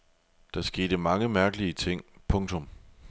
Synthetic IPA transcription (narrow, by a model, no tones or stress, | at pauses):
d̥ɑ̈sɡ̥e̝ːd̥əmɑ̈ŋəmæɐɡ̥əliət͡sʰe̝ŋ̰pʰɔ̽ŋt͡sʰɔ̽m